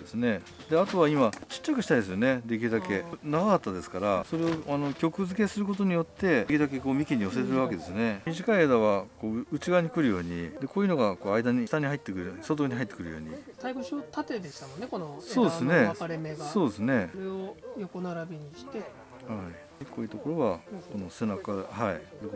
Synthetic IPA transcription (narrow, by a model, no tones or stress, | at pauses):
d̪esɨne̞ | d̪e̞at̪o̞β̞aimat͡ɕi̥t͡ɕːakɯ̟ɕi̥t̪aid̪e̞sɨjo̞ne̞d̪e̞kʲiɾɯd̪ake̞naɡakat̪ːad̪e̞sɨ̥kaɾaso̞ɾe̞o̞ano̞kʲo̞kɯ̟zɨke̞sɨɾɯ̟k̬o̞t̪o̞ɲ̟ijo̞t̪ːe̞kʲiɾd̪ake̞ko̞ːmʲikʲiɲ̟io̞set̪eɾɯβake̞d̪e̞sɨne̞mʲiʑikaied̪aβako̞ːɯ̟t͡ɕiɡaɲ̟ikɯ̟ɾɯ̟jo̞ːɲ̟ḭd̪e̞ko̞ːjɯ̟no̞ɡako̞ːaid̪aɲit̪aɲ̟ihait̪ːe̞kɯ̟ɾɯoɲisot̪̬oɲ̟iɦait̪ːekɯ̟ɾɯ̟jo̞̰ːɲ̟ḭt̪aiɡoɕot̪at̪e̞d̪eɕt̪amonːeko̞noso̞ːd̪esɨne̞aɾemeso̞ːd̪e̞sɨne̞ɾeojoko̞naɾabʲiɲ̟iɕi̥t̪e̞ | hai | koːiːt̪o̞ko̞ɾo̞βako̞no̞se̞nakahaidok